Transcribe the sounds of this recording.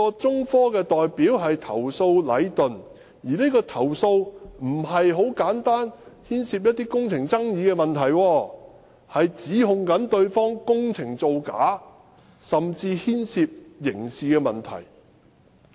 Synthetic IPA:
ɔː˧t͡sʊ˥ŋfɔː˥kɛː˧t̪ɔː˨jpiː˨˥wɦɐ˨jt̪ʰɐ̰˨˩wso˧wlɐ̰˨˥jt̪ɵ˨˩n | jiː˨˩ne˥kɔː˧t̪ʰɐ˨˩wso˧wm̩˨˩ɦɐ˨jɦo˨˥wkaː˨˥nt̪aː˥nhiː˥nsiː˧p̚jɐ˥t̪̚iː˥kʊ˥ŋt͡sʰɪ˨˩ŋt͡sɐ˥ŋjiː˨˧kɛː˧mɐ˨nt̪ʰɐ˨˩jwɔː˧ | hɐ˨jt͡siː˨˥ɦʊ˧ŋkɐ˨˥nt̪ɵ˧ɥfɔː˥ŋkʊ˥ŋt͡sʰɪ˨˩ŋt͡so˧wka̰ː˨˥ | sɐ˨mt͡siː˧hiː˥nsiː˧p̚jɪ˨˩ŋsiː˨˧kɛː˧mɐ˨nt̪ʰɐ̰˨˩j

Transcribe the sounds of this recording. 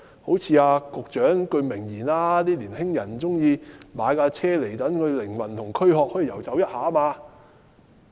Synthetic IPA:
ho˨˥wt͡sʰiː˧aː˧kʊ˨˧k̚t͡ʃœː˨˥ŋkɵ˧ɥmɪ˨˩ŋjiː˨˩naː˧t̪iː˥liː˨˩nhɪ˥ŋjɐ˨˩nt͡sʊ˥ŋjiː˧maː˨˧jkaː˧t͡sʰɛː˥le˨˩jt̪ɐ˨˥nkʰɵ˨˧ɥlɪ˨˩ŋwɐ˨˩nt̪ʰʊ˨˩ŋkʰɵ˥ɥɦɔː˧k̚hɔː˨˥iː˨˧jɐ˨˩wt͡sɐ˨˥wjɐ˥t̚haː˨˥maː˧

